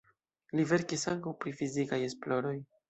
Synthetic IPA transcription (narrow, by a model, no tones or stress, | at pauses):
live̞ɾkisaŋkawpɾifizikaje̞splo̞ɾo̞j